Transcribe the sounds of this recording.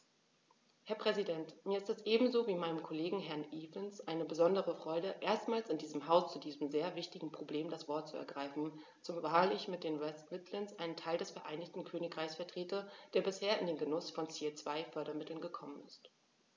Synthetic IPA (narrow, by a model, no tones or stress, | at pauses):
hɛɐpʁ̥ɛzidɛntmiːɐɪstɛsʔeːbm̩zoːviːmaɪnəmkʰoleːɡŋ̩ɦɛɐnʔiːvənsʔaɪnəbəzɔndəʁəfʁ̥ɔʏdəʔeːɐstmaːlsɪndiːzəmɦaʊst͡sudiːzəmzeːɐvɪçtɪɡŋ̩pʁ̥obleːmdasv̥ɔɐt̚t͡suɛ̰ɐɡʁaɪfn̩ | t͡sʊmvaːɐlɪçmɪt̚d̥eːnwɛstwɪtʰlɪnsʔaɪnəntʰaɪldɛsfɛɐʔaɪnɪçtn̩kʰøːnɪkʁ̥aɪçsfɛɐtʁ̥eːtɐd̥eːɐbɪsheːɐɪndeːnɡənʊsfɔnt͡seːt͡sv̥aɪfœɐɾɐmɪtl̩nɡəkʰɔmənɪ̰st